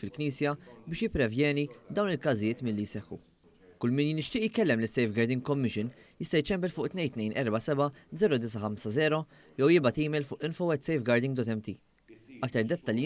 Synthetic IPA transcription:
fɪlkniːsjɐbɪːʃjɪpːɾɛvjɛːnid̪ɐwnɪlkɐzɪjɪːt̪mɪlːijsɛħːṵ | kʊlːmɪnjnːɪʃt̪ɪːʔjkɛlːɛmlɪsːɛjfɡɐɾd̪ɪŋɡ̚kɔmːɪʃɪnjɪst̪ɐjt͡ʃːɛmbɛlfʊːʔt̪nɛjt̪nɛjnʔɛ̰ɾbɐsɛbɐd͡zɛːɾɔd̪ɪs̬ɐħɐmsɐzɛːɾɔ | jɛwjɪbɐt̪iːmɛlfʊːʔɪnfɔwɛt̪sɛjfɡɐɾd̪ɪŋɡd̪ɔt̪ɛmt̪i | ɐkt̪ɐɾd̪ɛt̪ːɐlj

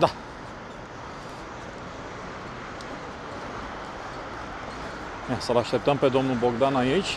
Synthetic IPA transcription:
d̪a | masəlaʃt̪e̞p̚t̪əmpe̞d̪o̞mnubo̞ɡd̪anait͡ʃʲ

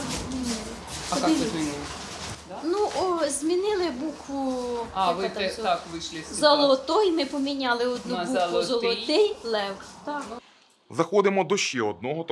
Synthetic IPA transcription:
zʲmʲinɪlˠɪ | ɔk̪ɪmʲinɪ | nuʔɔzʲmʲinɪlˠɪbukʋʊ | ʋt̪ɛakʋɪʃlˠɪszɔlˠɔt̪ɔjmɪpɔmʲinʲɑlˠɪɔd̪nuuklˠʊzɔlˠɔt̪ɪjlˠɛwkt̪ak | zɐxɔd̪ɪmɔd̪ɔʃt͡ʃɛɔd̪̚nɔɦɔt̪

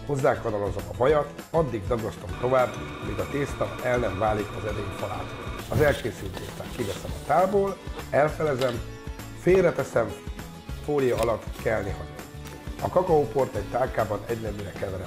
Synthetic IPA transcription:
ho̞zːaːkːɒnɒɾozomɒbɒjɒt̪ | ɒd̪ːiɡd̪ɒɡɒst̪omt̪o̞vaːbːɒmiɡɒt̪eːst̪ɒɛlnɛɱvaːlikɒzɛd̪eːɲfɒlaːt̪oɒzɛlkeːsylt̪ḛːʃt̪a̰kivɛsɛmɒt̪aːlboːlɛlfɛlɛzɛm | feːlrɛt̪ɛsɛɱ | foːlijɒɒlɒt̪ːkɛlniɦɒd̪ḭ | ɒkɒkɒopo̞rt̪ɛɟt̪aːlkaːbɒnɛɟnɛmːiɾɛkɛvɛɾɛ

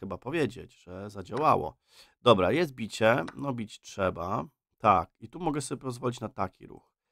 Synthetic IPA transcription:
xɘbapɔvʲjed͡ʑḛd͡ʑʐɛzad͡ʑawa̰wɔ̰ | d̪ɔbɾajɛst̪̚bʲit͡ɕɛnɔbʲit͡ɕtʂɛba | t̪a̰kit̪umɔɡɛsɔbʲepɔzvɔlʲit͡ɕnat̪akʲḭɾṵx

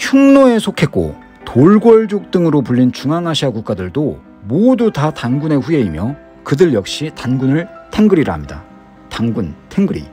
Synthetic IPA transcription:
çuŋnoe̞sʰokʰe̞k̚k͈o̰ | tʰoɭɡwʌɭd͡ʑok̚t͈ɯŋɯɾopuʎːint͡ɕuŋaŋaɕʰiɦakuk͈adɯɭdo | modutatanɡune̞ɸue̞imjʌ | kɯdɯɭjʌk̚ɕ͈itanɡunɯɭtʰe̞ŋɡɯɾiɾa̰ɦamɲida̰ | taŋɡuntʰe̞ŋɡɯɾḭ

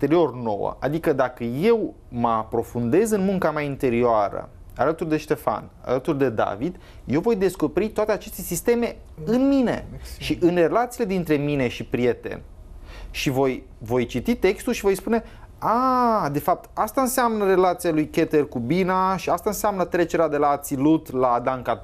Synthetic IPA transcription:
t̪e̞ɾio̞rno̞̰wə̰ʔa̰d̪ikəd̪akəje̞w | məapɾo̞fund̪e̞zɨnmuŋkamaint̪e̞ɾioaɾə̰ | a̰lət̪urd̪e̞ʃt̪e̞fa̰na̰lət̪urd̪e̞d̪a̰vid̪ | je̞wvo̞jd̪e̞sko̞peɾit̪oat̪e̞at͡ʃe̞st̪e̞sist̪e̞me̞ | ɨnmine̞ʃiʔɨnre̞lat̪sile̞d̪int̪ɾe̞mine̞ʃipɾije̞t̪e̞̰n | ʃivo̞j | vo̞jt͡ʃit̪it̪e̞kst̪ulʃivo̞jspune̞ | ad̪e̞fap̚t̪ast̪aɨnseamnəɾe̞lat̪sialujke̞t̪erkubinaʃiast̪aɨnseamnət̪ɾe̞t͡ʃe̞ɾead̪e̞laːt̪silut̪lad̪ankat̪

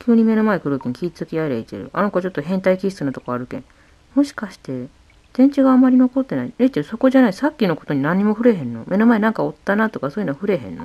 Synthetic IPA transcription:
kʲʰɨːɲ̟ime̞no̞maekɯ̟ɾokʲiɲ̟ikʲiːt͡sɨ̥zɨkʲiaeɾait̪ḛɾɯ̟̰ʔa̰nokot͡ɕo̞t̪ːoɦẽ̞nt̪aikʲist͡sɨnat̪o̞ko̞aɾɯ̟kẽ̞̰ŋ̃ | mo̞ɕi̥kaɕi̥t̪e̞ | t̪ẽ̞ɲ̟t͡ɕiɡaːmːaɾʲino̞ko̞t̪ːe̞nainet̪ːeso̞ko̞ʑanaisakʲːino̞ko̞t̪o̞ɲ̟inãɲ̟ːimo̞ɸɯ̟ɾe̞ɦẽ̞nːo̞̰mʔe̞no̞mae̞nãŋkao̞t̪ːanat̪o̞kasoːjinoaɸɯ̟ɾe̞ɦẽ̞̰nːo̰

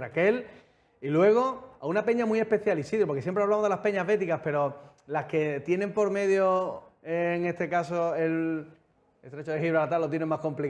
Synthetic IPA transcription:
rake̞l | ilwe̞ɣ̞o̞aunape̞ɲamie̞hpe̞θjalisiðɾopoɾkejempɾaβlamo̞ðelape̞ɲaɦβe̞t̪ikaspe̞ɾo̞ | laske̞t̪je̞nẽ̞mpo̞ɾme̞ðjoeːŋe̞st̪e̞kasoel | est̪ɾet͡ʃoðexiβɾalat̪alːot̪je̞neŋmahko̞mplik

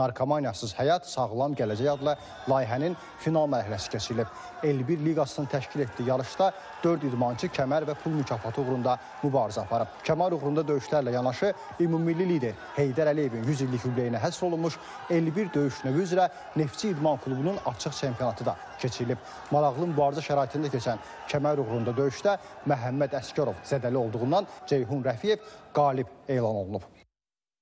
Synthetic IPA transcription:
ɑɾkʰomɑnijɑsɯzhæjɑt̪sɑɣɯlˠɑmɟælæd͡ʒæjɑd̪lˠæ | lˠɑːjiɦænin | finɑlˠmæɾhælæsi̥cʰe̞t͡ʃʰiɾilib̥̚ | elːibiɾliɡɑsɯnɯt̪ʰæʃcile̞t̪d̪iːjɑɾɯʃd̪ɑ | d̪̥øɾd̪id̪mɑnt͡ʃʰɯcʰæmæɾvæpʰulˠmycʰɑːfɑt̪ʰɯuɣɾund̪ɑ | mybɑːɾizæɑpʰɑɾɯbcʰæmɑɾuɣɾund̪ɑd̪ø̞jyʃlæɾlæjɑnɑʃɯ | imumilːilid̪e̞ɾ | he̞jd̪æɾælije̞vinjyzilːichyblejinæɦæsɾo̞lˠunmuʃ | elːibiɾd̪øjyʃnøviyzɾæ | ne̞ft͡ʃʰiːd̪mɑnkʰlˠubununɑt͡ʃʰɯχt͡ʃʰempʰijo̞nɑt̪ʰɯd̪ɑ | cʰe̞t͡ʃʰiɾilib̥̚ | mɑɾɑʁlˠɯmybɑːɾizɑʃæɾɑːit̪ʰind̪ɑcʰet͡ʃʰæn | cʰæmæɾuɣɾund̪ɑd̪ø̞jyʃd̪æmæɦæmːæd̪æscɑɾo̞vz̥æd̪ælio̞lˠd̪uʁund̪ɑnd͡ʒe̞jɦunɾæfije̞vɡ̥ɑːlibe̞ːlˠɑno̞̰lˠunub

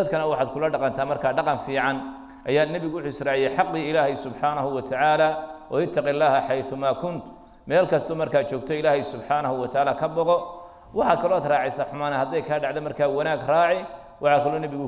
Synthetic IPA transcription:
ɐd̪kʰɐnɐwɑħaːd̪̚kʰʊlɐɖɑqɑnt̪ʰaːmɐrkʰaːɖɑqɑnfiːʕɑn | ʔɐjaːd̪nɛβɪɣʊwʊħʊɪsraːʕɪjɛħɑqːiːɪlaːhɪsʊbħaːnɐhʊwɐt̪ʰaʕaːlaːɔ̰ɪt̪ʰːɐqɪlːaːhɐħɑjθʊmaːkʰʊnt̪ | mɛːlkʰɐst̪ʰɔmɐrkʰaːt͡ʃɔːɡt̪ʰɔɪlaːhɛjsʊbħaːnɐhʊwɐt̪ʰaʕaːlaːkʰɐbɔqɔ | wɑħɑkʰɐlɔːaːd̪raːʕɛjsaːħʊmaːnɐhɐd̪ɛjkʰaːɖɑʕðɔmɐrkʰaːwɐnaːɡraːʕɪ | wʔɑħɑːkʰɐlɔːnɛβɪɣʊ

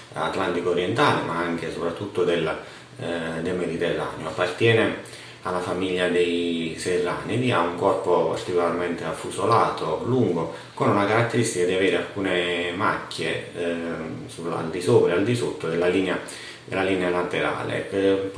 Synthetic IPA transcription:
a̰t̪lant̪ikoːɾijɛnt̪aːlemaaŋk̟esopɾat̪ːut̪ːod̪el | d̪ejmɛd̪it̪ɛrːa̰ːnjoapːart̪jɛːne | alːafamiʎːad̪ejserːa̰ːnid̪iauŋkɔrpopa̰rt̪ikolarmɛnt̪eafːusolaːt̪oluŋɡo | konunakaɾat̪ːeɾist̪ikad̪iaveːɾealkuːnema̰kːḛ | sula̰ld̪isoːpɾaald̪isot̪ːod̪elːaliːnea | d̪elːaliːnealat̪eɾa̰ːlḛ

